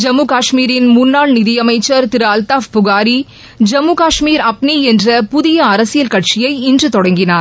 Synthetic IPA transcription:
d͡ʒɐmːuːkaːʂmiːɾɪnmʊnːaːɭnɪðɪjɐmɐɪt͡ʃːɐɾt̪ɪɾaːlt̪aːfpʊɣaːɾi | d͡ʒɐmːuːkaːʂmiːɾɐp̚niɛndrɐpʊðɪjɐɐɾɐsɪjɐlkɐʈt͡ʃɪjɐɪɪndrɯt̪ɔɽɐŋɡɪnaːɾ

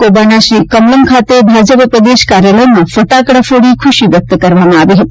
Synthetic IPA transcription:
koːbanaʃɾiːkɐmləmkʰaːt̪ebʱaːd͡ʒəppɾəd̪eːʃkaːɾjaləjmãfəʈaːkɽafoɽikʰʊʃiʋjɐk̚t̪əkɐɾʋamãaʋiɦ̪

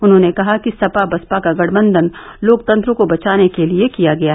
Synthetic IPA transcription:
ʊnɦõːnekɐɦakisɐpabɐspakaɡɐɽ̤mə̃nd̪ənloːkt̪ɐ̃nt̪ɾõkobɐt͡ʃaːnekeliekijaɡɐjaɦ

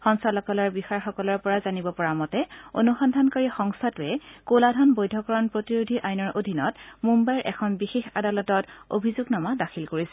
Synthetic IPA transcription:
xɔŋsalɔkɔlɔɹbixaɹxɔkɔlɔɹpɔɹazanibɔpɔɹamɔtɛo̰nuxɔndʱankaɹixɔŋstʰatɛkoladʱɔnbojdʱɔkɔɹɔnpɹotiɹudʱiʔajnɔɹʔodʱinɔtmumbajɹʔɛ̰kʰɔnbixexa̰dalɔtɔto̰bʱizuɡnamadaxʰilkoɹisɛ

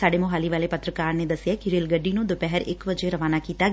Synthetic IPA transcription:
saːɖeːmʊɦaːliʋaːleːpət̪ɾəkaːɾneːd̪əsɪjaːkiɾeːlɡəɖːiːnũːd̪opɛɦəɾɪ̰kʋəd͡ʒeɾəʋaːnaːkiːt̪aː

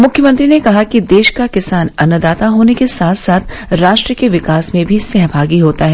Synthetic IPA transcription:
mʊkʰjəmə̃nt̪ɾinekɐɦakid̪eːʃkakɪsaːnɐnəd̪aːt̪aɦoːnekesaːt̪ʰsaːt̪ʰ | ɾaːʃʈɾəkeʋɪkaːsmẽbʱisɛɦbʱaːɡiɦoːt̪aɦɛː

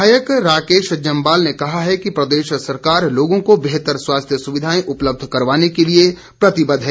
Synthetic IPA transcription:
aːjəkɾaːkeːʃd͡ʒɐ̃mbaːlnekɐɦaɦɛkipɾɐd̪eːʃsɐɾkaːɾloːɡõkobeɦt̪əɾswaːst̪ʰjəsʊʋɪd̪ʱaːẽʔʊpləb̚d̪ʱkɐɾʋaːnekelie | pɾɐt̪ɪbəd̪ʱɦɛː

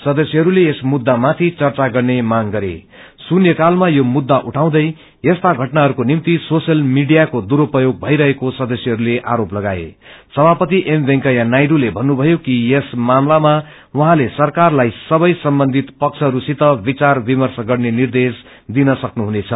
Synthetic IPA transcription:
sʌd̪ʌsjʌɦʌɾuleːsmud̪ːamat̪ʰit͡sʌrt͡saɡʌrnemaŋɡʌɾḛ | sunjʌkalmajomud̪ːaʔuʈʰaw̃d̪ʌj | jest̪aɡʱʌʈnaɦʌɾukonimt̪isosjʌlmiɖijakod̪uɾopʌjoɡ̚bʱʌjɾʌɦekosʌd̪ʌsjʌɦʌɾuleʔa̰ɾoplʌɡaḛ | sʌbʱapʌt̪iʔembʱeŋkʌjanajɾulebʱʌnːubʱʌjokijesmamlama | wuɦãlesʌrkarlajsʌbʌjsʌmbʌnd̪ʱit̪pʌk̚t͡sʰʌɦʌɾusit̪ʌbit͡sarbimʌrsʌɡʌrnenird̪es | d̪inʌsʌknuɦunet͡sʰʌ

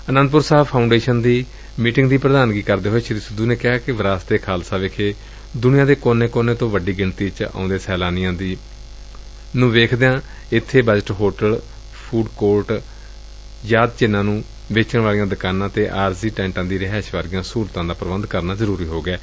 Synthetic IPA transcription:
ənə̃nd̪pʊɾsaːbpʰaːʊ̃ɳɖeːʃənd̪iː | miːʈɪŋɡd̪iːpɾəd̪aːnɡiːkəɾd̪eːɦoːeːʃɾiːsəd̪uːneːkɪɦaːkɪʋɾaːst̪eːkʰaːlsaːʋekʰeː | d̪ʊnɪjãːd̪eːkoːneːkoːneːt̪õːʋəɖiːɡɪɳt̪iːt͡ʃã̰ːnd̪eːsɛːlaːnɪjãːd̪i | nũːʋeːkʰd̪eãː | ɪt̪ʰːeːbəd͡ʒəʈɦoːʈəl | pʰuːɖkoːɾʈ | jaːd̪t͡ʃɪnːãːnũː | ʋeːt͡ʃəɳʋaːlijãːd̪əkaːnãːt̪eːʔaːɾsiːʈɛ̃ːɳʈãːd̪iːɾəɦɛːʃʋaːɾɪjãːsuːɾt̪ãːd̪aːpɾəbənd̪kəɾnaːzəɾuːɾiːɦoːɡɛː

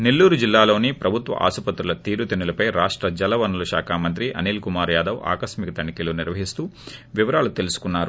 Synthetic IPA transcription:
nelːuːɾud͡ʒilːaːlo̞ːnipɾʔɐbʱut̪ʋɐ̰ʔa̰ːsupɐt̪ɾulɐt̪iːɾut̪inilɐpɐjɾaːʂʈɾɐd͡ʒɐlɐʋɐnulɐʃaːkʰaːmɐnt̪ɾiʔɐ̰niːlkumaːɾjaːd̪ɐʋa̰ːkɐʃmikɐt̪ɐɳikiluniɾʋɐɦist̪uːʋiʋɐɾaːlut̪elusu̥kunːaːɾu

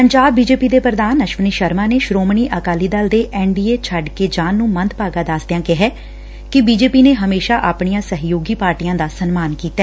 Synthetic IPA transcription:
pəɲd͡ʒaːbːiːd͡ʒeːpiːd̪eːpɾəd̪aːnəʃʋəniːʃəɾmãːneːʃɾoːmɳiːʔəkaːliːd̪əld̪eːʔɛːɳɖiːeːt͡ʃʰəɖkeːd͡ʒãːnːũːmənt̪paːɡaːd̪aːsd̪ejãːkɪɦɛː | kɪbiːd͡ʒeːpiːneːɦəmeːʃaːʔaːpɳijãːsəɦjoːɡiːpaːɾʈijãːd̪aːsənmaːnkiːt̪ːaɛː

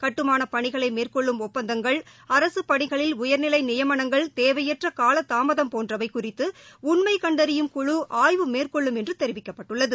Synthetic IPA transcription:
kɐʈːɯmaːnɐpɐɳɪɣɐɭɐɪmeːrkɔɭːɯmɔpːɐnd̪ɐŋɡɐɭ | ɐɾɐsɯpɐɳɪɣɐɭɪlʊjɐɾnɪlɐɪnɪjɐmɐɳɐŋɡɐɭt̪eːʋɐjɐʈrɐkaːlɐt̪ːaːmɐðɐmpoːndrɐʋɐɪkʊrɪt̪ːɯʊɳmɐɪkɐɳɖɐɾɪjɯmkʊɻuʔaːjʋɯmeːrkɔɭːɯmɛndrɯt̪ɛɾɪʋɪkːɐpːɐʈːɯɭːɐðɯ

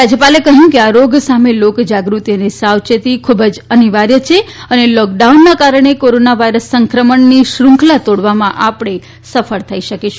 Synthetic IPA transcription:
ɾad͡ʒjəpalekəɦjũkeaɾoɡsamelokd͡ʒaɡɾut̪ijənisawt͡ʃət̪ikʰubəd͡ʒəniʋaɾjət͡ʃʰeənelɔk̚ɖaunːakaɾəɳ̃ekoɾonaʋaiɾəsːəŋkɾəməɳniʃɾũŋkʰlat̪oɽʋamãʔapəɽ̃e | səfʰəɭt̪ʰəiʃəkeʃ

